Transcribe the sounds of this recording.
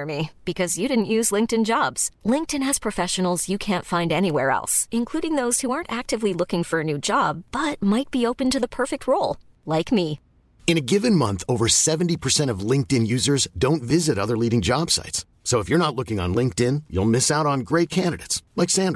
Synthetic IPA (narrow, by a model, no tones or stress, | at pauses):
mib̥ɨkʰʌzjɨɾɪdⁿn̩ʔjʉzlɪ̃ŋk̚tɨ̃nd͡ʒɑbz̥lɪ̃ŋk̚tɨ̃nɨz̥pʰɹ̥ɨfɛʃɨn̩l̩ˠzjɨkʰæ̃ntfãɪ̃ndɛñiwɛɹɛ̰lˠsɨ̃nkʰl̥uɾɪ̃ŋðoʊz̥huɑɹntæk̚tɨvlilʊkɪ̃ŋfə˞ɨnʉd͡ʒɑb̥ːʌt̚maɪt̚b̥ioʊpɨ̃ntɨðəpʰɜ˞fɨk̚t̚ʰɹoʊlˠ | laɪkmi | ɨ̃ñɨɡɪvɨ̃nmʌ̃nθoʊvə˞sɛṽn̩tipʰə˞sɛ̃ɾ̃ʌvlɪ̃ŋk̚tɨ̃njʉzə˞zdõʊ̃ntvɪzɨɾʌðə˞liɾɪ̃ŋd͡ʒɑb̥sa̰ɪtsː | oʊəfjə˞nətˡlʊkɪ̃ŋə̰̃nlɪ̃ŋk̚tɪ̃njṵlˠmɪsaʊɾn̩ɡɹeɪt̚kʰæ̃ndɨɾeɪtslaɪksæ̃nd